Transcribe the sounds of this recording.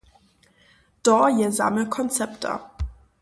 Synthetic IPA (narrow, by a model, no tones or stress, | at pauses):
d̥ɔjəza̰məkʰɔnt͡sɛptʰa̰